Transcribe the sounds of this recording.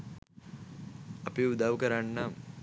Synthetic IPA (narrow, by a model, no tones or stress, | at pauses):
ɐpeud̪aʋkəɾanːa